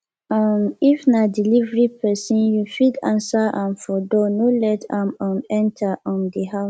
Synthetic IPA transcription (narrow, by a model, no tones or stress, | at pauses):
amifnadilivɹipʰɛsĩnjufidã̰nsaʔãnfɔdɔnolɛtʰãmãnɛ̃ntʰaʔɔ̃ndiɦaʊs